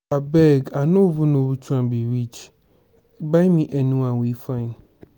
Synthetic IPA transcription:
abɛɡanõvunʊ̃but͡ʃʰuãmbiɾit͡ʃ | baɪmĩʔɛnũãwifãɪ̃n

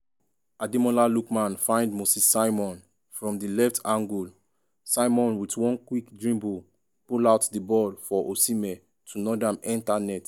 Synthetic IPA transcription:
adimɔ̃lalukmãnfãɪ̃ndmosisːaɪmɔ̃n | fɹɔ̃mdilɛftʰãŋɡul | saɪmɔ̃nwitwɔ̃nkwikdɹĩmbu | pulaʊtdibɔlfɔʔosimɛ | tʰunɔdãmɛ̃ntanɛt

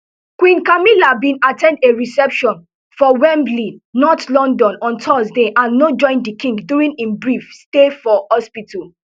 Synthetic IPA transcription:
kwĩnkamilabĩnatɛ̃ndeɹisɛpʃɔ̃n | fɔwɛ̃mblinɔtlɔ̃ndɔ̃nɔ̃ntʰɔsdeʔãnːod͡ʒɔ̃ɪ̃ndikĩŋɡduɹĩnĩnbɹifstefɔhɔspitʰɔl

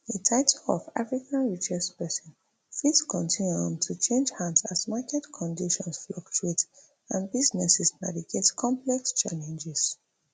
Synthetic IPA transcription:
etʰaɪtʰɔlɔ̰va̰fɹikʰãnɹit͡ʃɛspɛsɔ̃n | fidskʰɔ̃ntʰĩnjuɔ̃mtʰut͡ʃʰẽnd͡ʒhãndsazmakɛtkʰɔ̃ndiʃɔ̃nsflɔk̚t͡ʃuet | ãnbiznɛsɛsna̰viɡetkʰɔ̃mplɛkst͡ʃalɛ̃nd͡ʒɛs

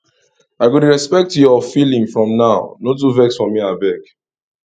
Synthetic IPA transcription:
aɪɡunɹɛspɛk̚tjɔfilĩŋfɹɔ̃mnaʊnotuvɛksfɔmiabɛk

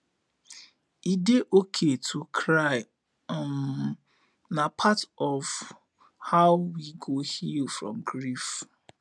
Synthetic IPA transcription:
ideʔokʰetʰukʰɹaɪ | m | napʰatɔv | haʊwiɡohilfɹɔ̰̃mɡɹif

